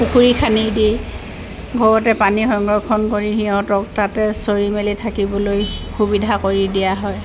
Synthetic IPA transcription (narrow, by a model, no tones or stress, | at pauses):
pukʰuɹikʰanidi | ɡʱɔɹɔtɛpanixɔŋɡɹɔkʰɔnkoɹiɦiɦɔ̃tɔk̚tatɛsoɹimelitʰakibɔlojxubidʱakoɹidijaɦɔj